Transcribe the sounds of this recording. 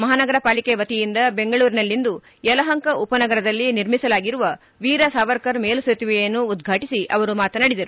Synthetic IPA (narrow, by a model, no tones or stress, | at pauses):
mɐɦaːnɐɡɐɾɐpaːlikeʋɐt̪ijind̪ɐbe̞ŋɡɐɭuːɾinɐlːind̪u | jɐlɐɦɐŋkɐʔupɐnɐɡɐɾɐd̪ɐlːiniɾmisɐlaːɡiɾuʋɐ | ʋiːɾɐsaːʋɐɾkɐɾmeːluset̪iʋɛjɐnːuːd̪ɡʱaːʈisiʔɐʋɐɾumaːt̪ɐnɐɽid̪ɐɾu